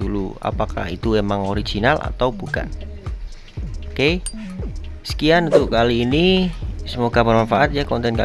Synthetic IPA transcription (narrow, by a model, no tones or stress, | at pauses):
ulṵa̰paka̰hḭt̪uemaŋoɾiɡ̥inala̰t̪awbuka̰ʔ | oke | sə̥kianunt̪ʊʔkaliːnisəmoɡabərmanfaʔat̪̚jakɔnt̪ɛnka